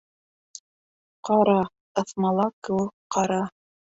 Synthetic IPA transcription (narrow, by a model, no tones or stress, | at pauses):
qɑɾɑ | ɤ̆θmɑlˠɑkɘ̆wɘkqːɑɾɑ